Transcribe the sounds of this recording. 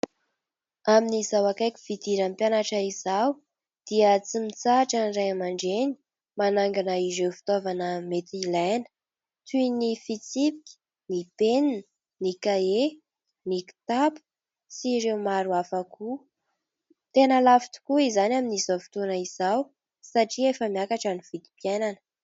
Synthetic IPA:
aminizawakajkʲi̥v̥id̪iɾampjanaʈ͡ʂaizaw | d̪̥iət͡simit͡saʈ͡ʂanrajamaɳɖ͡ʐeni̥ | manaŋɡanaizewfi̥t̪ovanəmet̪ilajnə̥ | t̪unifit͡sipi̥kʲi̥ | nipennə | nikae | niki̥t̪apu̥ | t͡siɾewmaɾuafakʰu | t̪enəlafi̥t̪u̥kuizanaminizafi̥t̪onaiz̥aw | saʈ͡ʂiefəmiakaʈ͡ʂaniv̥id̪i̥pjananə

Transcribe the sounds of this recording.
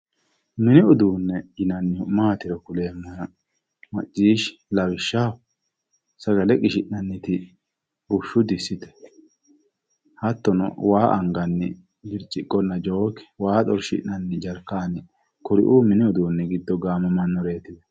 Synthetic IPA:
mɪnɪʊd̪uːnːɛɪnɐnːɪʊmaːt̪ɪɾɔkʊle̞ːmːɐnɐ | mɐt͡ʃʼːiːʃlɐwɪʃːaːw | sɐɡɐlɛkʼɪʃɪʔnɐnːɪt̪ɪ | bʊʃːʊd̪ɪsːɪt̪ɛ̥ | hɐt̪ːɔnɔ̰waːʔɐ̰ŋɡɐnːɪ̰ | ɡɪɾt͡ʃʼɪkʼːɔnːɐd͡ʒoːkːɛ̥waːt̪ʼɔɾʃɪ̰ʔnɐnːɪd͡ʒɐɾkːaːnɪ | kɔɾɪ̰ʔuːmɪnɪʊd̪uːnːɛɡɪd̪ːɔɡaːmɔmɐnːɔɾeːt̪ɪd̪ɛ

